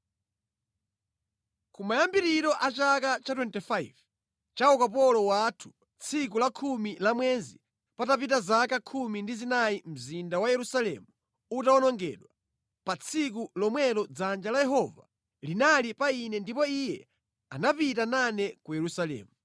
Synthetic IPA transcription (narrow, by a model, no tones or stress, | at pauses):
kumajambiɾiɾɔʔat͡ʃakat͡ʃatwɛntifaiv | t͡ʃawɔkap̬ɔlɔwatʰu̥ | t͡sʰikulakʰumilamwɛzi | patapit̬azakakʰumindizinaim̩zindawajɛɾusalɛ̰mu | utaɔnɔŋɡɛ̰ɗwa | pat͡sʰik̬ulɔmwɛlɔd͡zand͡ʒalajɛɦɔva̰ | linalipainɛndipɔijɛ̰ | a̰napitananɛkujɛɾusalɛ̰ːmu